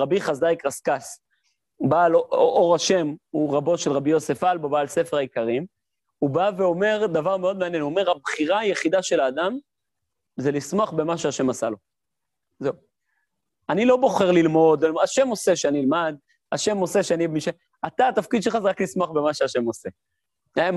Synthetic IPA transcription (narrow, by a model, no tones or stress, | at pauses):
ʁabiχazajkʁaskas | baːloʔo̞ʁaʃe̞muʁabo̞ʃelʁabijo̞se̞falbobaːlse̞fe̞ʁaikaʁim | ubaveo̞me̞ʁd̪avaʁmeo̞d̪meanjenome̞ʁabχiʁajeχidaʃe̞laːd̪am | zelismoaχbe̞maʃeaʃe̞masalo̞ | zeu | anilo̞bo̞χeʁlilmo̞d̪laʃe̞mo̞seʃeaniilmad̪ | aʃe̞mo̞se̞ʃeanibemiʃe | at̪aːt̪afkid̪̚ʃelχazeʁaklismaχbe̞maʃeaʃe̞mose | m